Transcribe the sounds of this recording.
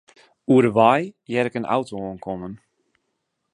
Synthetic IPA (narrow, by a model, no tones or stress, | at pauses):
uəɾəʋajjɛɾɪkənʔa̰wtoonkʰonən